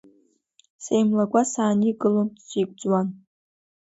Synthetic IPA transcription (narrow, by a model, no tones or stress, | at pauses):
sejmlaɡʷasaːniɡɨlomt͡sʷʰikʷʼd͡zʼwan